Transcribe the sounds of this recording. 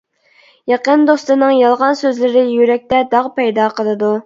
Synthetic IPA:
jɑqənd̪ost̪ɨnɨŋjɑlˠʁɑnsøzlɪɾɪjyɾɛk̚ʲt̪ɛd̪ɑʁpɛjd̪ɑːqʰəlˠɨd̪u

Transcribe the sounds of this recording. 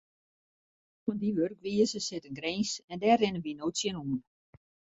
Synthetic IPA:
fɔndiʋørkʋiəsəsɪtənɡɾeːnsɛndɛːrɪnəʋinowsjənuən

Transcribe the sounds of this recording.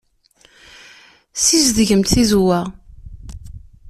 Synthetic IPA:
sizðʝəmt̪θizwæ

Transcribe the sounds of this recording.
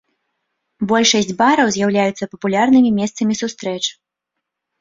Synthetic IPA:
bɔlʲʂɐsʲd͡zʲbaɾɐwzʲjawlʲajut̪sɐpɐpulʲarnɨmʲimʲɛst̪sɐmʲisust̪ɾɛt͡ʂ

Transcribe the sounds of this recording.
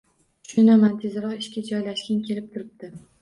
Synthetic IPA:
ʃʊnamant̪ʰezɾɒqɪʃkʲad͡ʒɒjlaʃkʲankʲʰe̞lɪp̚t̪ʰʊɾɪp̚d̪̥ɪ

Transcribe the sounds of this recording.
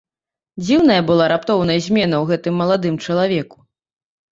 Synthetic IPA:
d͡zʲiwn̪ɐjɐbɨlˠaɾapt̪ɔwn̪ɐjɐzʲmʲɛnɐwɣɛt̪ɨmːɐlˠad̪ɨmt͡ʂɐlˠavʲɛku̥

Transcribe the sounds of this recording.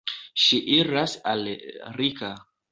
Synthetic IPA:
ʃiʔiɾasalɾika

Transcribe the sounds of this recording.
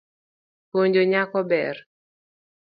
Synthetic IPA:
poɲd͡ʒoɲakɔbɛr

